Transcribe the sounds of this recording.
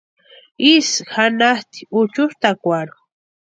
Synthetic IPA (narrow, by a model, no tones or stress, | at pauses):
isxanast̪i̥ʊt͡ʃʊst̪akʷaɾʊ